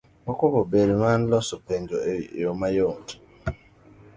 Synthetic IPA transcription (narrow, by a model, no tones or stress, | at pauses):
mɔkokobeɾiman̩lɔsopend͡ʒoḛjomajont